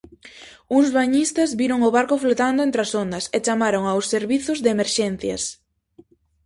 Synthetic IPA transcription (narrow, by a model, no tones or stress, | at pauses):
uŋzβaɲist̪ɐzβiɾoŋoβaɾkʊflot̪and̪ʊent̪ɾasond̪ɐset͡ʃamaɾoŋawsːeɾβiθʊzðemeɾʃɛn̟θjɐ̰s